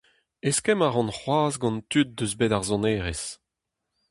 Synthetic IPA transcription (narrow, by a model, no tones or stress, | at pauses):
eskɛmaʁɑ̃nχwaːzɡɑ̃nt̪yt̪̚d̪øzbeːdaʁzɔ̃neːʁes